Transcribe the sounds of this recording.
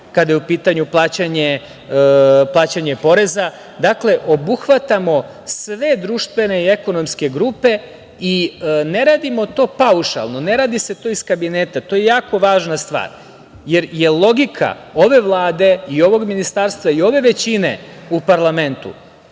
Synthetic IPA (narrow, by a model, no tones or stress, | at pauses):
kad̪ajeupiːt̪aɲuplˠaːt͡ɕaɲe | plˠaːt͡ɕaɲepo̞ɾe̞za | d̪akle̞ʔo̞buxʋat̪amo̞ | sʋe̞d̪ɾuʃt̪ʋe̞ne̞ieko̞no̞mske̞ɡɾuːpe̞ | ine̞ɾaːd̪imo̞t̪o̞ːpauʃa̰lˠno̞ne̞ɾaːd̪ise̞t̪o̞iskabineːt̪at̪ojejaːko̞ʋaːʒnast̪ʋa̰ːɾ | jeɾje̞lˠo̞ɡikʰa̰o̞ʋe̞ʋlˠaːd̪e̞io̞ʋo̞ɡminist̪aːɾst̪ʋaio̞ʋe̞ʋe̞t͡ɕinḛupaɾlˠame̞nt̪ṵ